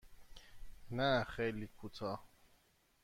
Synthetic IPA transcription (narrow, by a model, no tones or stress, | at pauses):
naxelikʰut̪ʰɔ